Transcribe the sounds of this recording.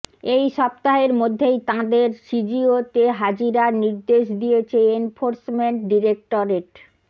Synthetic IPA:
ejʃɔpt̪aɦeɾmod̪ʱːejt̪ãd̪eɾʃid͡ʑiot̪eɦad͡ʑiɾaɾniɾd̪eʃd̪ijet͡ɕʰeenfoɾsmeɳʈɖiɾek̚ʈoɾeʈ

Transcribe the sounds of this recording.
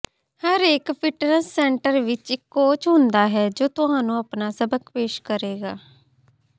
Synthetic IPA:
həɾekpʰɪʈɾəsːɛ̃ːɳʈəɾʋɪt͡ʃɪkːoːt͡ʃɦʊnd̪aːɦɛːd͡ʒoːt̪ʊɦãːnũːəpnaːsəbəkpeːʃkəɾeːɡaː

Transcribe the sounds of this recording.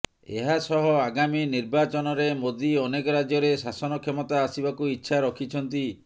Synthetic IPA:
ḛɦasɔɦɔaɡaminiɾbat͡ʃɔnɔɾemod̪iɔnekɔɾad͡ʒjɔɾesasɔnɔkʰemɔt̪aːsibakuitːʃʰaɾɔkʰit͡ʃʰɔnt̪i

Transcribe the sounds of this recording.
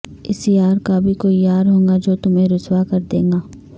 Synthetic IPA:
ɪsiaːɾkabʱikoːijaːɾɦõːŋɡad͡ʒoːt̪ʊmẽɾʊswakɐɾd̪ḛ̃ːŋɡaː

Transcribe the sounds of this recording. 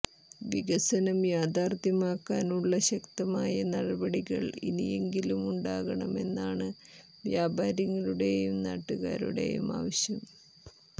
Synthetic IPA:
ʋiɣɐsɐnɐmjaːd̪ʱaːrt̪jɐmaːkːaːnuɭːɐɕɐkt̪ɐmaːjɐnɐɽɐbɐɽiɣɐ̰ɭḭnḭje̞ŋɡilumuɳɖaːɣɐɳɐme̞̰nːaːɳɨ | ʋjaːbʱaːɾjɐŋːɐɭuɽe̞jumna̰ːʈːuɣa̰ːɾṵɽe̞̰jṵma̰ːʋɐɕjɐm

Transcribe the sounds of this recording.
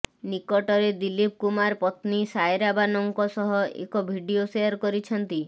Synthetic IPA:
nikɔʈɔɾed̪ilip̚kumaɾpɔt̪nisajɾabanɔŋkɔsɔɦɔḛkɔbʱiɖioseɔɾkɔɾit͡ʃʰɔnt̪i

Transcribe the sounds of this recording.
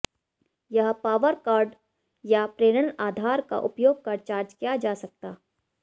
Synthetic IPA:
jɐɦpaːʋəɾkaːɾɖ | japɾeːɽənəaːd̪ʱaːɾka̰ʔʊpjoːɡ̚kɐɾt͡ʃaːɾd͡ʒkijad͡ʒaːsɐk̚t̪aː

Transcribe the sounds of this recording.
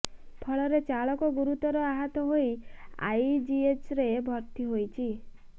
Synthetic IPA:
pʰɔɭɔɾet͡ʃaɭɔkɔɡuɾut̪ɔɾɔaɦat̪ɔɦoja̰jd͡ʒiet͡ʃɾebʱɔɾt̪iɦojt͡ʃʰi

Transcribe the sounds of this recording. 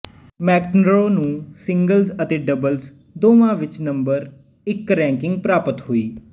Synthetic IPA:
mɛːknɾoːnũːsɪ̃ŋɡəlzət̪eːɖəbəlz | d̪oːʋãːʋɪt͡ʃnəmbəɾ | ɪkɾɛ̃ːŋkɪŋɡ̚pɾaːpət̪hoːiː

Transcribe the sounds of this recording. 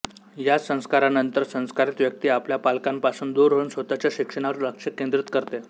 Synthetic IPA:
jasə̃w̃skaɾanənt̪əɾsə̃w̃skaɾit̪ʋjək̚t̪iːapljapalkampasuːnd̪uɾɦəunsʋət̪at͡ɕjaɕikʂəɽ̃aʋəɾləkʂəkend̪ɾit̪kəɾt̪e

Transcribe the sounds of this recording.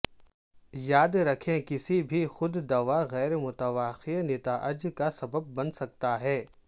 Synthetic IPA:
jaːd̪ɾɐkʰẽkɪsibʱixʊd̪d̪ɐʋaɣɛːɾemʊt̪əʋaːxinɪt̪aʔəɐd͡ʒkasɐbəb̚ːɐnsɐk̚t̪aɦɛː

